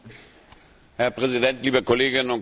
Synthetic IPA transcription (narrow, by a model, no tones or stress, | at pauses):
hɛɐpʁ̥ɛzidɛntliːbəkʰɔleːɡɪnnʊn